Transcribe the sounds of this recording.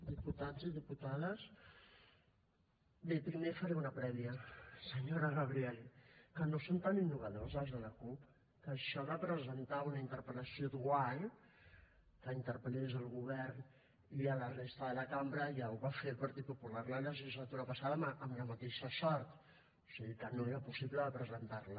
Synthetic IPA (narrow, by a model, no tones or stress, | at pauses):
d̪iput̪aziðiput̪aðəs | bepɾimefəɾɛunəpɾɛβiəsəɲoɾəɣəβ̞ɾiɛlkənosont̪aninːuβanəlzazðələkup | kəːʃɔβapɾəzənt̪aunəint̪əɾpələsiod̪uaɲ | kəint̪əɾpəlezəlˠɣuβ̞ɛɾn | iələrest̪əðələkambɾəjauwβafelˠpəɾt̪it̪̚pupulaɾlələʒizlat̪uɾəpasaðəməmləmət̪eʃəsɔɾt̪ | o̥siɣikənoeɾəpusiβləəpɾəzənt̪aɾlə